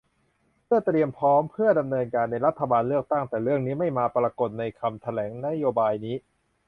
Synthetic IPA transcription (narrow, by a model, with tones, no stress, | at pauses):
pʰɯ˥˩t̪ɾi˧əmpʰɔː˦˥mpʰɯ˥˩əda˧mnɤː˧nkaː˧nːa˧jɾa˦˥t̪ʰːa˧baː˧nlɯ˥˩ək̚t̪a˥˩ŋt̪ɛː˨˩ɾɯ˥˩əŋniː˦˥ma˥˩jmaː˧pɾaː˧ko˨˩t̪̚na˧jkʰa˧mt̪ʰa˧lɛː˩˦ŋna˦˥joː˧baː˧jniː˦˥